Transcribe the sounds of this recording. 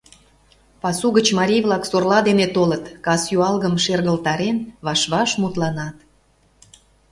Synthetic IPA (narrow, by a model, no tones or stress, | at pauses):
pɑsuɣət͡ɕmɑɾʲijβlɑksorlɑd̪enet̪olət̪kɑsjuɑlɣəmʃerɣəlt̪ɑɾenβɑʃβɑʃmut̪lɑnɑt̪